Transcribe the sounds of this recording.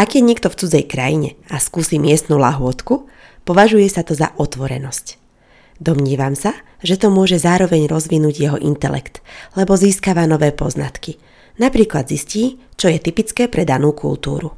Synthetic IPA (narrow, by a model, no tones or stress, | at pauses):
aɡjɛɲɛkt̪ɔft͡sud͡zɛjkɾajiɲɛaskuːsiːmɪɛst̪nulaɦʊɔt̪ku | pɔʋaʒujɛsat̪ɔza̰ʔɔt̪ʋɔɾɛ̰nɔsc | d̪ɔmɲɪɛʋamsa | ʒɛt̪ɔmʊɔʒɛzaːɾɔʋɛɲɾɔzʋinuːɟjɛɦɔʔint̪ɛlɛ̰kt̪lɛbɔziːskaʋanɔʋɛːpɔ̰zna̰t̪ki | napɾiːklad̪zisciːt͡ʃɔjɛt̪ipit͡skɛːpɾɛd̪anuːkṵlt̪ṵːɾu